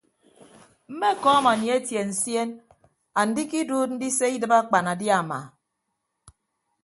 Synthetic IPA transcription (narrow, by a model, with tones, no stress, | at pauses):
m̩˦me˦˨kɔ˦a˦ma˨ɲje˦tje˨n̩˨sje˦n | a˨n̩˦di˦ki˦duː˦t̚n̩˦di˦se˦i˦dɨ˨ba˦k͡pa˨na˨dja˨ma̰˨